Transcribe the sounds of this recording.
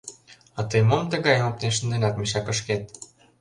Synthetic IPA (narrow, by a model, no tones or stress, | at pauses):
ɑt̪ɤjmomt̪ə̆ɣɑjmopt̪eʃənd̪enɑt̪̚mʃɑkə̆ʃket̪̚